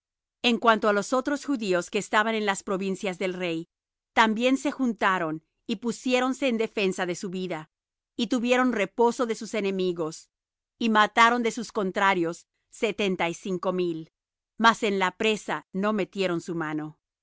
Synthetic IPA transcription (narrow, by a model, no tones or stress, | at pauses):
e̞ŋkwant̪oalo̞so̞t̪ɾo̞sxuðio̞ske̞ːst̪aβanenlaspɾo̞βinsjazðe̞lre̞j | t̪ambje̞nse̞xunt̪aɾo̞n | ipusje̞ɾo̞nse̞ːnd̪e̞fe̞nsaðe̞suβiða | it̪uβje̞ɾo̞nre̞po̞so̞ðe̞suse̞ne̞miɣo̞s | imat̪aɾo̞nd̪e̞susko̞nt̪ɾaɾjo̞sː | et̪e̞nt̪aisiŋko̞mil | mase̞nlapɾe̞sano̞me̞t̪je̞ɾo̞nsumano̞